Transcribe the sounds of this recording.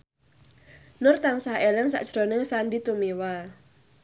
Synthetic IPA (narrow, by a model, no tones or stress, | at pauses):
nʊrt̪aŋsaɦelɪŋsa̰ʔd̥ʒ̥ɾonɪŋsandit̪umiwal